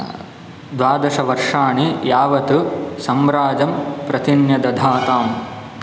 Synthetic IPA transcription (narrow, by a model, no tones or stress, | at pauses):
d̪ʋaːd̪ɐʃɐʋɐɾʂaːɳijaːʋɐt̪usɐmɾaːd͡ʒɐmpɾɐt̪injɐd̪ɐd̪ʱaːt̪aːm